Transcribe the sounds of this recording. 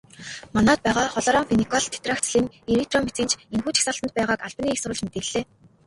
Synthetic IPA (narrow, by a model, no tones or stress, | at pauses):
manɔːt̪̚pæːʁaːχɔɮɔːɾɔːmfenikʰɔɮt̪ʰe̥t̪rakt͡sɮiːŋ | eɾit̪rɔmet͡sĭːnt͡ɕʰenxuːt͡ɕʰi̥xsaɬt̪ə̆nt̪̚pæːʁaːkaɮpniːxsʊɾʊ̆ɮt͡ɕmet̪ĕːɮeː